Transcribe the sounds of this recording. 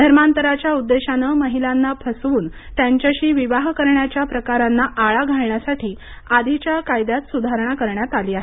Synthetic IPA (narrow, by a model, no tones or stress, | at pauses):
d̪ʱəɾmant̪əɾat͡ɕjaud̪ːeɕanəməɦilanːapʰəsʋuːnt̪jaɲt͡ɕjaɕiːʋiʋaɦkəɾɳjat͡ɕjapɾəkaɾanːaʔaɭaɡʱaɭɳjasaʈʰiː | ad̪ʱit͡ɕjakajd̪jat̪sud̪ʱaɾəɳakəɾɳjat̪aliːaɦe